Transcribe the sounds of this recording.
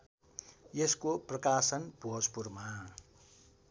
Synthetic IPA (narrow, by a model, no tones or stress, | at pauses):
jeskoprʌkasʌnbʱoɦʌspurma